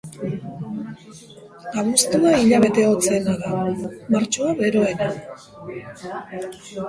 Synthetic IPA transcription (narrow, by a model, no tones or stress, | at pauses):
aβust̪uaiʎaβ̞e̞t̪e̞o̞t͡senaðamaɾt͡ʃo̞aβe̞ɾo̞e̞na